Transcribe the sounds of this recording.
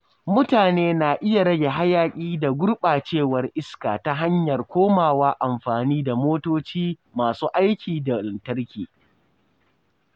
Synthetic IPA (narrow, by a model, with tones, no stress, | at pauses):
mʊ˦taː˨neː˦na˨ʔɪ˦ja˨ɽɐ˦ɡʲe˨ɦa˦jaː˦˨kʲʼiː˦da˨ɡʷʊ˦ɽɓaː˨t͡ʃeː˦˨wɐ˨rʔɪ˦skaː˨ta˦ɦa˦ɲjɐ˨rkʷoː˦maː˨waː˦ʔa˨mɸaː˨niː˦da˨moː˦toː˦t͡ʃiː˦ | maː˨suː˦ʔa˦jkʲiː˨da˨lɪ˨ntɐ˦rkʲiː˨